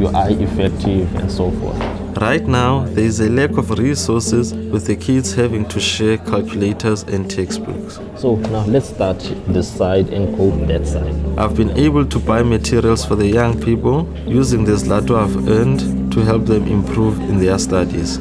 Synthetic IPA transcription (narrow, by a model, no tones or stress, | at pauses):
juʔajʔifɛk̚tʰivɛ̰̃ndsofɔ̰θ | rajtnawðɛizelɛkʰɔfɹisɔsɛzwiθðəkʰidz̥hɛvĩŋtʰuʃɛkʰalkʰjuletʰɔzɛ̃ndtʰɛksb̥ṵks | sonawlɛtstatʰðisajdɛ̰̃nɡodɛtsa̰jdʔa̰jvbĩnʔebəltʰubajmatʰiɹialsfɔðəjãŋpʰipəl | juzĩŋðislatoavɛnd | tʰuɦɛlp̚ðɛ̃mʔḭ̃mpʰɹuvĩnðɛstadḭz̥